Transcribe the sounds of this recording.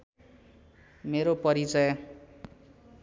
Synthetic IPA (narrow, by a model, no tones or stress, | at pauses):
meɾopʌɾit͡sʌjʌ̃